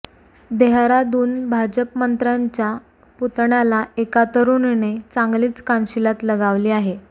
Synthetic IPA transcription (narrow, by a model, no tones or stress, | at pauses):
d̪eɦɾad̪uːnbʱad͡ʑəpmənt̪ɾaɲt͡ɕja | put̪ɳalaekat̪əɾuːnnet͡sãŋɡliːt͡skanɕilat̪ləɡaʋliːaɦe